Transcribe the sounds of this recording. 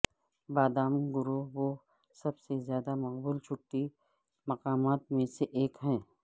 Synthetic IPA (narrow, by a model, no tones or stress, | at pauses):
baːd̪aːmɡʊɾoʋo | sɐbsezjaːd̪amɐqbuːlt͡ʃʰʊʈːi | mɐqaːmaːt̪mẽseʔeːkɦɛ̃ː